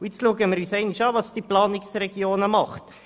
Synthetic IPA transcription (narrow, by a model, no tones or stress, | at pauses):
ʊɪt͡sluəɡəməɾysɛɪniʃɑːvɑsd̥iplɑːnɪksreɡioːnəmɑχt